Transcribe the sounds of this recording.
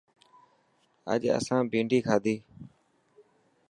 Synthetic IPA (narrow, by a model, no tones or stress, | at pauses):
ə̰ʄə̰sãːbĩːɳɖʱiːkʰaːd̪iː